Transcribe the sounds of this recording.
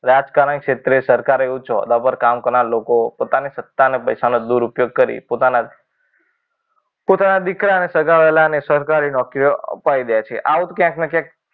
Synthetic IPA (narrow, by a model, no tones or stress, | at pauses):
ɾad͡ʒkaɾənkʃet̪ɾesəɾkaɾeut͡ʃoə̰d̪apəɾkamkəɾnalokopot̪anisət̪ːanepəjsanod̪uɾupjoɡ̚kəɾḭpot̪ana | pot̪anad̪ikɾaənesəɡaʋelanesəɾkaɾinɔkɾijoə̰paid̪əjat͡ʃʰeʔaut̪kjãknekjãk̚